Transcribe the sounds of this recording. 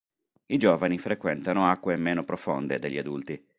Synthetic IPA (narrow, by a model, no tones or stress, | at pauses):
id͡ʒoːvanifɾekwɛnt̪anoakːwemːeːnopɾofond̪ed̪eʎːiad̪ult̪i